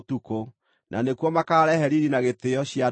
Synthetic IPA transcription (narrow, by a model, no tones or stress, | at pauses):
tuko | nʔa̰nekwɔmakaːɾɛhɛɾiɾinaɣet̪eɔɕja